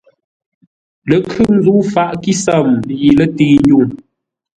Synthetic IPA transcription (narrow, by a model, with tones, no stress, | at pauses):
lə˨kʰʉ˦n̩˦zu˦fa˦˨ʔki˦sa˦˨mji˨lə˦tiː˦˨ju˦˨ŋ